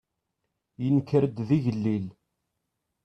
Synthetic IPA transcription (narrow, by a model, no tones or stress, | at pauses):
jənkːəɾəd̪ðiʝəlːil